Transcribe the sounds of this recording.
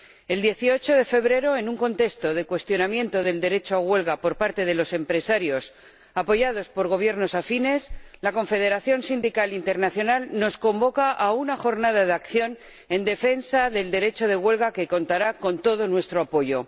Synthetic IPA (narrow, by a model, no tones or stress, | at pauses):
e̞ld̪je̞θio̞t͡ʃo̞ðe̞fe̞β̞ɾe̞ɾo̞e̞nuŋko̞nt̪e̞st̪o̞ð̞e̞kwe̞st̪jo̞namjẽ̞nt̪o̞ðe̞ld̪e̞ɾe̞t͡ʃoaɣwe̞lɣapo̞ɾpaɾt̪e̞ð̞e̞lo̞se̞mpɾe̞saɾjo̞s | apo̞ʝað̞o̞spo̞ɾɣo̞β̞je̞ɾno̞safine̞slako̞ɱfe̞ð̞e̞ɾaθjo̞nsind̪ikalint̪e̞ɾnaθjo̞nalno̞sko̞mbo̞kaʔaunaxo̞ɾnað̞aðakθjo̞n | e̞nd̪e̞fe̞nsaðe̞ld̪e̞ɾe̞t͡ʃo̞ðe̞ɣwe̞lɣake̞ko̞nt̪aɾako̞nt̪o̞ð̞o̞nwe̞st̪ɾoapo̞ʝo̞